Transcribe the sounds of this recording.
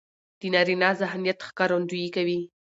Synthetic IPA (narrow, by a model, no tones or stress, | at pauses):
d̪̥ənɑɾinɑzaɦnijat̪xkɑɾand̪ujikawi